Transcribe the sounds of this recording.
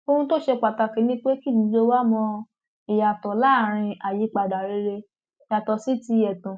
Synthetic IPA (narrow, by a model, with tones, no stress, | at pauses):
o˧hũ˧to˦ʃe˧k͡pa˨ta˧ke˨˦nĩ˦k͡pe˦ki˦˨di˨˧˦d͡ʒo˧wa˦mɔ̃˧ | i˨ja˨tɔ˨la˦˨ɾ̃ĩ˧a˨ji˨˧˦k͡pa˨da˨ɾe˧˦ɾe˧ | i˨ja˨tɔ˨si˦ti˧jɛ˨tũ˨